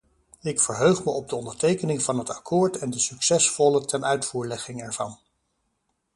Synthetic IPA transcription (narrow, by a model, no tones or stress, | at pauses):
ɪkfəɹɦøɥχməʔɔb̚dəɔndəɹtejkənɪŋvɑnɦətɑkʰʊːɹtɛndəsyksɛsfɔlətɛnœɥtfuːɹlɛχɪŋɛɹv̥ɑn